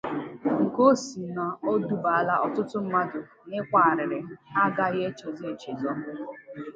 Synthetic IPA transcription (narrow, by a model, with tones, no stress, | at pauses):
ŋ̩˨ko˦si˨na˨o˦du˦ba˨a˦la˦ʔɔ˦tʊ˦tʊ˦m̩˦ma˦dʊ˨ | nɪ˦kʷa˨ɾɪ˨ɾɪ˨a˦ɡa˦ɣe˦t͡ʃe˨ze˦e˨t͡ʃe˨zɔ˦